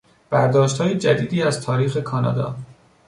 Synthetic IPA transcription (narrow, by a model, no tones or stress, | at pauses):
b̥æɾd̪ɒːʃt̪hɒːjed͡ʒæd̪iːd̪iːæzt̪ʰɒːɾiːxe̞kʰɒːnɒ̰ːd̪ɒ̰ː